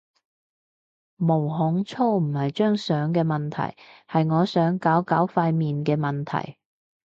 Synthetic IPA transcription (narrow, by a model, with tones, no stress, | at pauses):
mo˨˩wɦʊ˨˥ŋt͡sʰo˥wm̩˨˩hɐ˨jt͡ʃœː˥ŋsœː˨˥ŋkɛː˧mɐ˨nt̪ʰɐ̰˨˩jhɐ˨jŋɔː˨˧sœː˨˥ŋkaː˨˥wkaː˨˥wfaː˧jmiː˨nkɛː˧mɐ˨nt̪ʰɐ̰˨˩j